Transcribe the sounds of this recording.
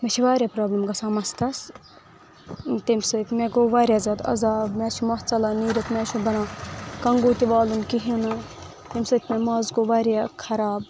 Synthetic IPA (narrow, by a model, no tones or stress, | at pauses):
met͡ʃʰiʋaːɾʲjapɾoːblɐmɡasɐmɐst̪ɐs | t̪emsɐt̪ʲʰmeɡoʋaːɾʲjaːzɐːd̪ɐ̰zaːbmɛt͡ʃʰimɐht͡sɐlaniːɾʲɐt̪mɛːt͡ʃʰubɐɽãːkɐŋɡoːt̪iʋaːlunkiɦinɨ | t̪emsɨt̪ʰʲmɛmɐːzɡoʋaːɾjakʰɐɾaːb̚